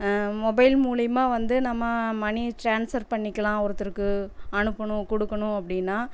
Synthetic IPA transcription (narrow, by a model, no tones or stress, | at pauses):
mɔbɐɪlmuːlɐjmaːʋɐnd̪ɯnɐmːɐmɐɳiʈɾaːnsɐɾpɐɳːɪkːɐlãːɔɾɐt̪ːɯɾɯkːɯɐɳɯpːɐɳʊ̃kɔɽɯkːɐɳʊ̃ɐpːɐɽɪnːaː